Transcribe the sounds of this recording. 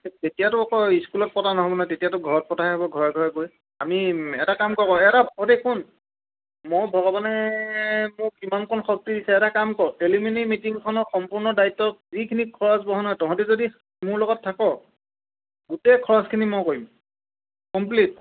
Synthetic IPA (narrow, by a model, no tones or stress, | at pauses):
tetijatʊɔkɔiskulɔt̚pɔtanɔɦɔbɔnatetijatʊɡʱɔɹɔt̚pɔtʰaɦɔbɔɡʱɔɹɛɡʱɔɹɛɡoj | amiɛtakamkɔkɔɛtabʱɔɔdekun | mojbʱɔɡɔbanɛ | mʊkimankʰɔnɔxɔk̚tidisɛɛtakamkɔɹɔeliminimitiŋkʰɔnɔxɔmpuɹnɔdaitːɔk̚zikʰinikʰːɔɹasbɔɦɔnɔjtɔãtuzodi | mʊɹlɔɡɔtʰːakɔ | ɡutɛkʰɔɹɔskʰinimɔjkoɹim | kɔmp̬lit̚